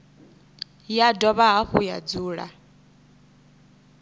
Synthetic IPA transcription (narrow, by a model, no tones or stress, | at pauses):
jadɔβaɦaɸuja̰d͡zuːɺa̰